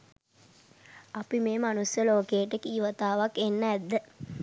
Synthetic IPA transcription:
apimeːmanusjəloːkejəʈəkiːʋət̪aːʋakenːəæd̪ːə

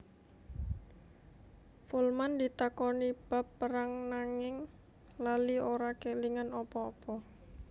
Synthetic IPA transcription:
fulmand̪it̪akɔnib̥a̤pːəɾaŋnaŋɪŋ | lalioɾakeliŋanɔpɔːpɔ

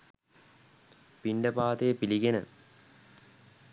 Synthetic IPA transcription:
piɳɖɐpaːt̪eːpiliɡenə̰

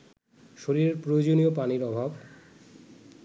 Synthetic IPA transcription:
ʃoɾiɾeɾpɾojod͡ʑoniopaniɾɔbʱab

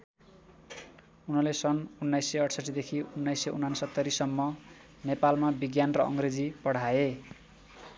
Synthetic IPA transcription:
unʌlesʌnunːajsːʌʌʈʰsʌʈːid̪ekʰiunːajsːʌunːansʌt̪ːʌɾisʌmːʌ | nepalmabiɡjanrʌʔʌ̰ŋred͡zipʌɽ̤ae

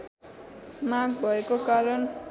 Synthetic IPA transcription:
naɡ̚bʱʌekokaɾʌn

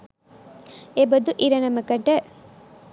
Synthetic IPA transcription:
ebɐd̪uʔiɾɐnɐmɐkɐʈɐ

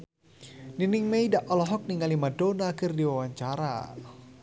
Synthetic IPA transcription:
ninɪŋmeidaʔɔlɔɦɔk̚niŋalimadonakɨrdiwawaɲt͡ʃaɾa̰

